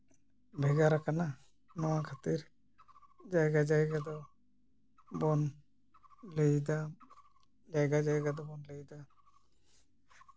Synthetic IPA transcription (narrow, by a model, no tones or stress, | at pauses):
bʱɛɡaɾakana | nɔwakʰat̪iɾ | d͡ʒajɡad͡ʒajɡad̪ɔ | bɔn | lɛjd̪a | d͡ʒajɡad͡ʒajɡad̪ɔbɔnlɛjd̪a